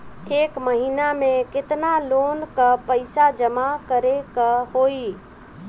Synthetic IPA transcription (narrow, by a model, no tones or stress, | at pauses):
ekməɦinamekɪt̪nalonkəpəɪsad͡ʒəmakəɾekəhoi